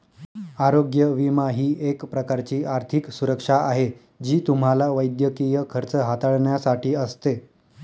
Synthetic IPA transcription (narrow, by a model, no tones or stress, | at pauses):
aɾoɡjəʋimaɦiːʔekpɾəkaɾt͡ɕiːʔaɾt̪ʰiksuɾəkʂaaɦe | d͡ʑiːt̪um̤alaʋəjd̪jəkijəkʰəɾt͡səɦat̪aɭɳjasaʈʰiːəst̪e